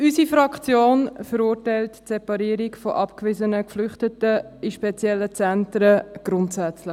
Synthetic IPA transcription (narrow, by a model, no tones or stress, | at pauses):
ysifɾɑkʰt͡sjoːnfəɾuːɾtæɪltsɛpɑɾiːɾɪkfoʔɑpkvɪzənəkflʏχtətəiʃpɛt͡sjɛlːət͡sɛntɾəɡ̥ɾʊntsæt͡slɪ